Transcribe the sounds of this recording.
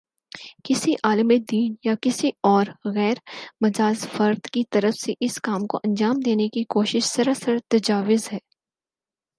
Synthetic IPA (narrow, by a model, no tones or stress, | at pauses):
kɪsiʔaːləmed̪iːnjakɪsiɔːɾɣɛːɾmɐzaːzfɐɾd̪kit̪ɐɾəfseʔɪskaːmko̰ʔɐ̃nd͡ʒaːmd̪eːnekikoːʃɪʃsɐɾasəɾt̪ɐd͡ʒaːʋɪzɦɛː